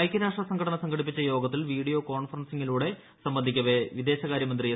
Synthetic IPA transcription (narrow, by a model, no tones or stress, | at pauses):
ɐjkʲːɐɾaːʂʈrɐsɐŋɡʰʱɐɽɐɳɐsɐŋɡʰʱɐɽip̬ːit͡ɕːɐjo̞ːɡɐt̪ːilʋiːɽijo̞ːko̞ːɳfɐrɐnsiŋːiluːɽe̞ | sɐmbɐnd̪ʱikʲːɐʋe̞ʋid̪e̞ːɕɐɣaːɾjɐmɐnd̪rij